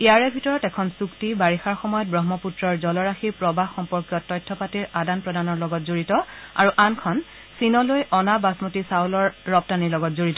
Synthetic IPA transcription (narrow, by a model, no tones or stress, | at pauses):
eaɹɛbʱitɔɹɔtɛkʰɔnsuktibaɹixaɹxɔmɔjɔt̚bɹɔɦmɔputɹɔɹzɔlɔɹaxipɹɔbʱaɦxɔmpɔɹkjɔtɔjtʰːɔpatiɹadanpɹɔdanɔɹlɔɡɔtzoɹitɔa̰ɹuʔankʰɔn | sinɔlojʔɔnabasmotisawlɔɹːɔp̚tanilɔɡɔtzoɹitɔ